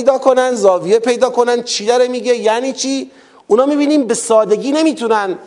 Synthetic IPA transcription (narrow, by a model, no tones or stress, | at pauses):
jd̪ɒːkʰo̞nænd̪zɒːvijepʰe̞jd̪ɒːko̞nænd̪̚t͡ʃʰid̪æɾemiːɡejæːniːt͡ʃʰiː | unɒːmiːbiːniːmbe̞sɒːd̪e̞ɡʲiːne̞miːt̪ʰunæn